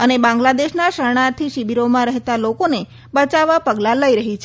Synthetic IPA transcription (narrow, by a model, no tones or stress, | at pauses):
ənebãŋɡlad̪eʃnaʃəɾɽ̃at̪ʰiʃibiɾomãɾəɦt̪alokone | bət͡ʃaʋapəɡlãləiɾəɦit͡ʃʰ